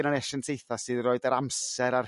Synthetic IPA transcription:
nanɛʃɛntʰejθasɨːðroɨdaɾamsɛɾar

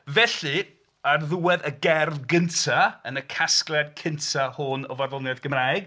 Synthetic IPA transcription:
vɛɬɨ | arðuwɛðəɡɛrvɡəntʰaənəkʰasklˠɛd̚kʰɪntʰahʊnɔvarðɔnjɛðɡ̥əmraːjɡ

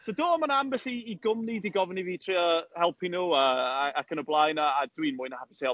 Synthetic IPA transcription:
sodoːɔmanambɛɬiːɡʊmnidiɡɔvniviːtʰriɔhɛlˠpʰinuːəaakʰənəblˠajnaːd̥winmʊːɨnahaviseː

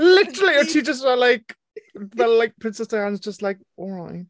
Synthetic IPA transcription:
lɪtə˞l̩ˠijə˞tʰit͡ʃə˞zəlaɪk | ðəlaɪk̚pʰɹ̥ɪ̃nsɛsəãnzd͡ʒʌstlaɪk | ɔlˠɹaɪt̚

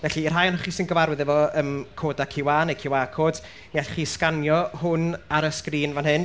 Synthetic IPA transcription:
vɛɬiːr̥ɦajnhɔχisɪnɡəvaɾwɪðɛvɔəːmkʰoːdakʰɪwaːnejkʰɪwakʰoːd̥ | nɛɬχiːskanjɔhʊnaɾəskriːnvanɦɨn

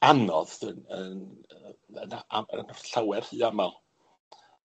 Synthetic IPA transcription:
anɔðənən | ənaʔaə̰nɔɬawɛr̥hiːamalˠ

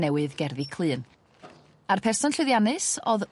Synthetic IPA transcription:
nɛwɨðɡɛrðikʰlˠɨːn | arpʰɛrsɔnɬɨðjanɨsɔð

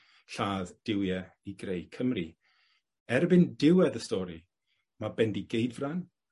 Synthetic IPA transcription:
ɬaːðd̥ɪwjɛ | iɡrejkʰəmri | ɛrbɪndɪwɛðəstɔɾi | mabɛndiɡejdvran

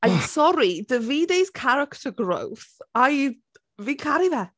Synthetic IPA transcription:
ajsɔɾidəviːdejskʰaɾəktʰəɡro̰wθaj | viːkʰaɾivɛ

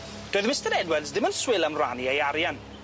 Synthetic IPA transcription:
d̥oːðmɪstəɾɛdwɛdzdɪmənswɪlˠəmrwa̰niejaɾjan

